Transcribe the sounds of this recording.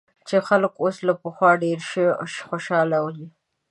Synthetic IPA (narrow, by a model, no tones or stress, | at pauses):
t͡ʃexalkoslapəxwɑɖeɾʃəʃxoʃɑlawji